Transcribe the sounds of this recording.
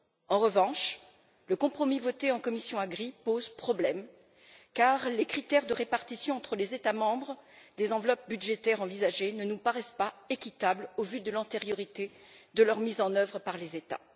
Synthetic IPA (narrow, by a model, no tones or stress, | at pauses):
ɑ̃ʁəvɑ̃ʃ | ləkɔ̃pχɔmivɔt̪eɑ̃kɔmisjɔ̃aɡʁipozpχɔblɛm | kaʁlekχit̪ɛʁd̪əʁepaʁt̪isjɔ̃ɑ̃t̪χəlezet̪amɑ̃bʁd̪ezɑ̃vlɔp̚byd̪ʒet̪ɛʁɑ̃vizaʒenənupaʁɛspaekʲit̪ablovyd̪əlɛ̃t̪eʁjɔʁit̪e | d̪əlœʁmizɑ̃nœvʁəpaʁlezet̪a̰